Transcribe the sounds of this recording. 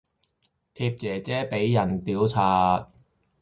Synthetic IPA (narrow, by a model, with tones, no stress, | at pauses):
t̪ʰiː˧p̚t͡sɛː˨˩t͡sɛː˥pe˨˥jːɐ˨˩nt̪iː˨˥wt͡sʰaː˧t̚